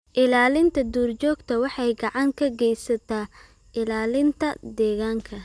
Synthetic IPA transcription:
ʔɪlaːlɪnt̪ʰɐd̪uːrt͡ʃɔːɡt̪ʰɐwɑħɑjɡɑʕɑŋkʰɐɡɛjsɐt̪ʰaː | ʔɪlaːlɪnt̪ʰɐd̪ɛːɣaːŋkʰɐ

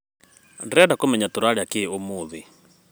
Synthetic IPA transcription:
ndɾɛadakomɛɲatuɾaɾiakeomuðɪ

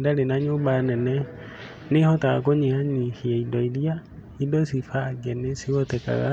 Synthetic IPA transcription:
dalenaɲoːmbanɛnɛ | nehɔtaɣa̰koɲihaɲihiaidɔilja | idɔsifaːɡɛnesiɣɔtɛka̰ɣa̰

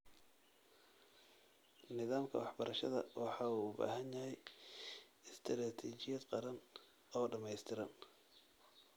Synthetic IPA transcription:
nɪðaːmkʰɐ̰wɑħbɐɾɐʃɐðɐ̰wɑħɑːuːʊba̰ːɦɐnjɐhɛj | ɪst̪ʰɾaːt̪ʰiːt͡ʃɪjɐd̪qɑɾɐn | ɔːɖɐmɛjst̪ʰɪɾɐn

